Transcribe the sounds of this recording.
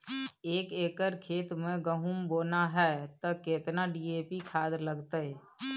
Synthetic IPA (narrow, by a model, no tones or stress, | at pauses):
eːkeːkəɾkʰeːt̪mẽɡəɦumboːnaɦɛt̪ɔkeːt̪naɖieːpikʰaːd̪ləɡt̪ə